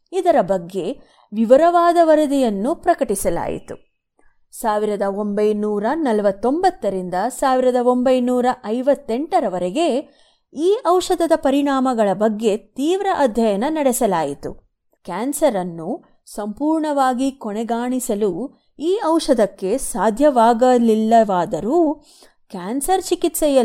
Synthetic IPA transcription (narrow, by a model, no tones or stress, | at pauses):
id̪ɐɾɐbɐɡːe̞ | ʋiʋɐɾɐʋaːd̪ɐʋɐɾɐd̪ijɐnːupɾɐkɐʈisɐla̰ːjḭt̪u | saːʋiɾɐd̪ɐo̞mbɐjnuːɾɐnɐlɐʋɐt̪ːo̞mbɐt̪ːɐɾind̪ɐsaːʋiɾɐd̪ɐo̞mbɐjnuːɾɐʔɐjʋɐt̪ːeɳʈɐɾɐʋɐɾeɡe̞ | iːʔɐwʂɐd̪ɐd̪ɐpɐɾiɳaːmɐɡɐɭɐbɐɡːe̞t̪iːʋɾɐʔɐd̪ʱjɐjɐnɐnɐɽɛsɐlaːjit̪ṵ | kaːnsɐɾɐnːu | sɐmpuːɾɳɐʋaːɡikɔɳɛɡaːɳisɐlu | iːɐwʂɐd̪ɐkːe̞saːd̪ʱjɐʋaːɡɐlilːɐʋaːd̪ɐɾu | kaːnsɐɾt͡ʃikit̪sɛjɐ